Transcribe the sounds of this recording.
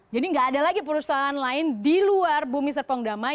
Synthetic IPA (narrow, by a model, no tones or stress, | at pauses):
d͡ʒadiŋɡaːdalaɡipəɾusaɦaːnlaɪndiluarbumis̬ərpɔŋdama